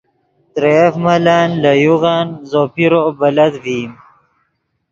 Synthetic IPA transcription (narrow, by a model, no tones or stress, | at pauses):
t̪ɾefmalaːnlajuɣaːnzopiɾobalad̪vim